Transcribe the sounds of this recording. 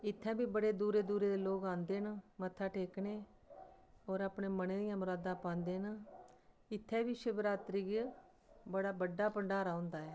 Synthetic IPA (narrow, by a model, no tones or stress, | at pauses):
ɪt̪ʰːɛ̃ːbiːbəɽeːd̪uːɾeːd̪uːɾeːd̪eːloːkãːnd̪eːnamət̪ʰːaːʈʰeːkneː | ɔːɾaːpɳeːməneːd̪ɪjãːmʊɾaːd̪ãːpãːnd̪eːna | ɪt̪ʰːɛ̃ːbiːʃebɾaːt̪ɾiːɡ | bəɽaːbəɖaːpəɳɖaːɾaːʊ̃nd̪aːɦɛː